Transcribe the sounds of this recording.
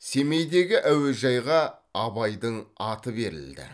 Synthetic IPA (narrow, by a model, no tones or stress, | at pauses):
se̞me̞jd̪e̞ɡʲɪʔæwɪʒɑjʁɑ | ɑbɑjd̪əɴɑt̪əbe̞ɾɪ̰ld̪ɪ̰